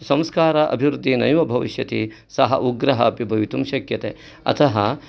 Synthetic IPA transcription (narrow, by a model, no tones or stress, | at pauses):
sɐ̃mskaːɾɐʔɐ̰bʱiʋɾud̪ʱːinɐjʋɐbʱɐʋiʃjɐt̪i | sɐɦɐ̰ʔuɡɾɐɦɐɐpibʱɐʋit̪umʃɐkjɐt̪eː | ɐ̰t̪ʰɐɦɐ